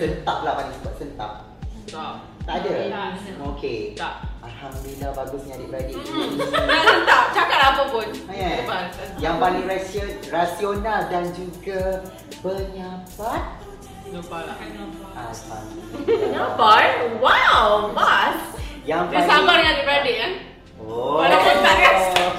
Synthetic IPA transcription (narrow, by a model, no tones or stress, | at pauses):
sənt̪aplahpalĩŋsibat̪̚sənt̪a̰p̚ | adaokʰe | alhamddulilːahbaɡusɲãdipɾadit | asənt̪ap̚t͡ʃakat̪̚apəpʊnajɛbajaŋpaliŋrasiət̚rasionaldand͡ʒuɡa | bəɲabat̪̚ | ba | aa̰ɲabat̪̚wawmasjaŋpasamarjãŋdibɾadɪʔ̚a | oaasəaa